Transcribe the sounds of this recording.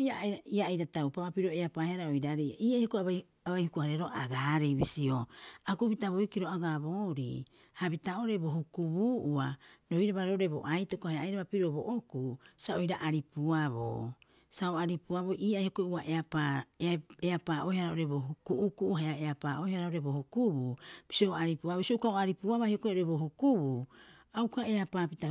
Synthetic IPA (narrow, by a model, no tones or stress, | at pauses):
iaaiaːjɾatawpaβapiɾoeapaːheaɾaojɾaɾejaʔiːajhokoaβa | aβajhukuhaɾeɾo̞ʔaɡaɾejβisio̞akubitaβojkiɾo̞aɡaboːɾḭ | habitao̞ɾe̞bo̞ɦhukuβuːʔuaɾo̞jɾaβaɾoɾebo̰ʔajtokohajaajɾaβapiɾo̞bo̰ʔokusaojɾaʔaɾipuaβo̰ | saoaɾipuaβo̞ʔiːajhokouaʔeapa | eapaːʔojhaɾaoɾeboɦukuʔːkuʔhajaeapaːojhaɾaoɾebohukububisoaɾipuaβsioukaoaɾipuaβahiokooɾebo̞hukuβuawkaeapapita